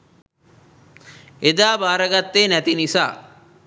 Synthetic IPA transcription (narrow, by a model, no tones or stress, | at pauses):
ed̪aːbaːɾɐɡat̪ːeːnæt̪inisa̰ː